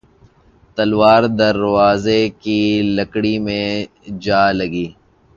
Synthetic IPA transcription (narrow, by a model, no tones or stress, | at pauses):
t̪ɐlwaːɾd̪ɐɾwaːzekilɐkɽimẽ | d͡ʒaːlɐɡiː